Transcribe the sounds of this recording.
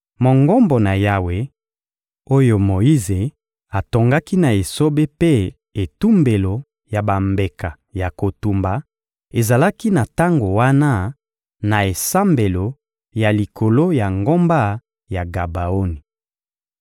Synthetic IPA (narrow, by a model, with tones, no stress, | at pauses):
mo˨ŋɡo˦mbo˨na˨ja˦we˦ | o˦jo˨mo˨i˦ze˨ | a˨to˨ŋɡa˦ki˦na˨e˨so˦be˦pe˦ | e˨tu˦mbe˨lo˨ | ja˨ba˨mbe˨ka˨ | ja˨ko˨tu˨mba˨ | e˨za˨la˦ki˦na˨ta˦ŋɡo˨wa˦na˦ | na˨e˨sa˦mbe˨lo˨ | ja˨li˨kʰo˨lo˦ja˨ŋɡo˦mba˦ | ja˨ɡa˨ba˨o˦ni˨